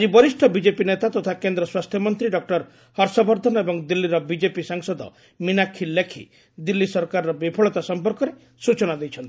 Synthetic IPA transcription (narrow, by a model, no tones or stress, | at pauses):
ad͡ʒibɔɾisʈʰɔbid͡ʒepinet̪at̪ɔt̪ʰakend̪ɾɔswast̪ʰjɔmɔnt̪ɾiɖɔk̚ʈɔɾ | hɔɾsɔbɔɾd̪ʱɔnɔebɔŋd̪ilːiɾɔbid͡ʒepisaŋsɔd̪ɔ̰ | minakʰːilːekʰḭ | d̪ilːisɔɾkaɾɔɾɔbipʰɔɭɔt̪asɔmpɔɾkɔɾe | sut͡ʃɔnad̪ejt͡ʃʰɔnt̪i